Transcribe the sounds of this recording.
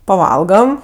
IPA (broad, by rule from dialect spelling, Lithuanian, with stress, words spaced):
pɐˈʋɐlˠɡɐm